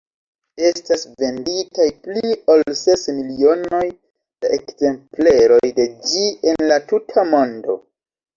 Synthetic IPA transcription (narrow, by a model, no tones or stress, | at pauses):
e̞stasve̞nditajpliolse̞smilio̞no̞j | d̥aʔe̞kze̞mpleɾo̞jde̞d͡ʒie̞nlatutʰamo̞ndo̞̰